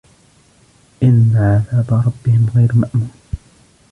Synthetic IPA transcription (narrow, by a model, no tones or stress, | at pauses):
ʔɪnːaʕaðaːd̪ˤɑɾˤɑbːɪhɪmɣajɾmaʔmuːn